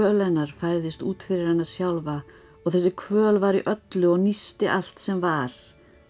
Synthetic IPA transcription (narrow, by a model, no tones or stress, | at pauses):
œːlɛnːaɾ̥fajɾðɪst̪uːt̪fɪɾɪɾ̥hajnːasjawlva | ɔɣθɛsːɪkʰvœːlvaɾiʔœt̪lʏɔɣnist̪ɪʔal̥t̪sɛmvaɾ̥